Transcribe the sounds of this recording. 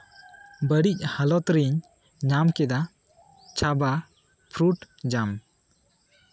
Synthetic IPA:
bəɽic̚ˀhalɔt̪ɾiɲ | ɲamkɛd̪a | t͡ʃʰaba | pʰɾuʈ | d͡ʒam

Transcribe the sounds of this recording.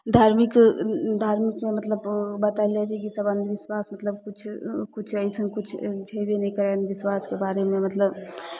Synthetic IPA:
d̪ʱaːɾmikd̪ʱaːɾmikmẽmɐt̪ləbbət̪aliat͡ʃʰekisəbənd̪ʱʋɪswaːsmɐt̪ləbkʊt͡ʃʰkut͡ʃʰɐisə̃ŋɡkʊt͡ʃʰd͡ʒʱɐjʋenɐɦĩkɐɾanʋɪswaːskebaːɾemẽmɐt̪ləb

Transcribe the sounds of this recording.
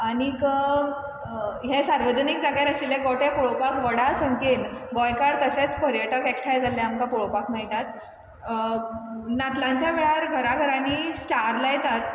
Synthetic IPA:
aɽ̃ikə | ɦesaɾʋəd͡ʑənik̚d͡zaɡjaɾəsileɡɔʈepɔɭopakʋəɽasəŋken | ɡɔjkaɾt̪əset͡spəɾjəʈəkek̚ʈʰajd͡zʱalːeamkapoɭopakʰmejt̪at̪̚ | nat̪lãɲt͡ɕjaʋeɭaɾɡʱəɾaɡʱəɾaniːsʈaɾlajet̪at̪̚

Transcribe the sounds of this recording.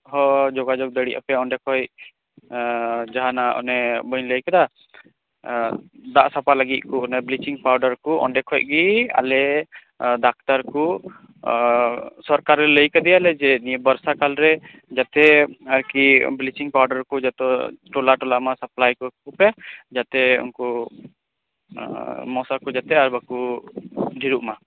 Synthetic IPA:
ɦɔd͡ʒɔɡad͡ʒɔɡ̚d̪əɽiʔa̰pɛɔɳɖɛkʰɔj | d͡ʒaɦanaʔɔ̰nɛbəɲləjkad̪a | d̪aʔsapaləɡit̪̚ˀkuɔnɛblit͡ʃiŋpawɾɖəɾkuʔɔ̰ɳɖɛkʰɔjʔ̚ɡia̰lɛ | dak̚t̪aɾku | sɔɾkaɾːɛləjkad̪ɛjalɛd͡ʒɛnibəɾsakalɾɛ | d͡ʒat̪ɛaɾkiblit͡ʃiŋpawɾɖəɾkɔd͡ʒat̪ɔʈɔlaʈɔlamasəplajkɔkupɛd͡ʒat̪ɛṵnkɔ | mɔsakud͡ʒat̪ɛaɾbaku | ɖʱiɾuʔma

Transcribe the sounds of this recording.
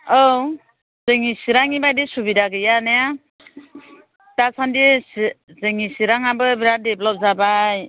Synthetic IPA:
ow | zɯŋisiɾaŋibajdisubidaɡɯjaneja | tasandis | zɯŋisiɾaŋabɯbiɾadeblɔp̚zabaj

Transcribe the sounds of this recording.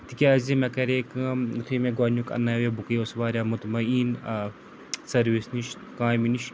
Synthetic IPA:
t̪ikʲaɐzimɐkɐɾeːkɨut̪ʰimẽɡwaːnjukɐ̰nːaːʋebukejosʋaːɾjaːmut̪mɐiːn | sɐɾʋisniʃ | kãːminiʃ

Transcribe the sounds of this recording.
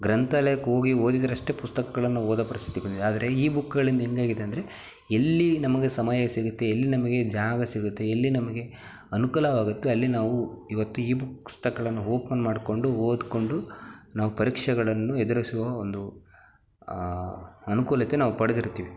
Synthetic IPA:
ɡɾɐnt̪alɐjɐkːeɦo̞ːɡio̞ːd̪id̪ɐɾɐʂʈe̞pust̪ɐkɐɡɐɭɐnːuoːd̪ɐpɐɾist̪ʰi̥t̪ibɐnd̪id̪aːd̪ɐɾe̞iːbukːɐɡɐɭind̪ɐɦeŋɡaːɡid̪eɐnd̪ɐɾe̞ | elːinɐmɐɡe̞sɐmɐjɐsiɡut̪ːe̞ːlːinɐmɐɡe̞d͡ʒaːɡɐsiɡut̪ːe̞ɐlːinɐmɐɡe̞ | ɐnukuːlɐʋaːɡut̪ːe̞ɐlːinaːʋuiʋɐt̪ːuiːbukst̪ɐkɐɭɐnːuɦoːpɐnmaːɖko̞ɳɖuoːd̪ko̞ɳɖunaːʋupɐɾiːkʂɐɡɐɭɐnːuɛd̪uɾɐsuʋɐond̪u | ɐnukuːlɐt̪ːe̞naːʋupɐɽed̪iɾt̪ːiːʋi

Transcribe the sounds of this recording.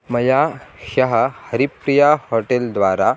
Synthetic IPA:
mɐjaɕəɦəhəɾipɾijahoʈeld̪ʋaɾa

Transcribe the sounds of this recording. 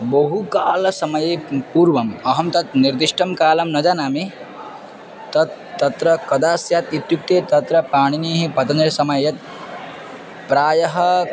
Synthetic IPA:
bɐɦukaːlɐsɐmɐjepuːɾʋɐmɐɦɐmt̪ɐt̪niɾd̪iʂʈʰɐmkaːlɐmnɐd͡ʒaːnaːmi | t̪ɐ | ɐt̪ɾɐkɐd̪aːsjaːt̪it̪juk̚t̪eːt̪ɐt̪ɾɐpaːɽ̃iniːɦipɐt̪ɐnɐɾsɐmɐjɐt̪̚ | pɾaːjɐɦɐ

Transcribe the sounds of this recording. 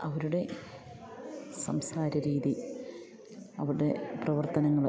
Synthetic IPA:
ɐʋɐɾuɽe̞ | sɐmsaːɾɐɾiːði | ɐʋɐɾɽe̞̰prɐʋɐrt̪ɐnɐŋːɐɭ

